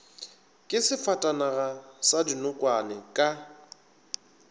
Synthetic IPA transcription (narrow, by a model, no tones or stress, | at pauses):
kʼɪsɪfatʼanaɣasadinʊkʼwanɪkʼa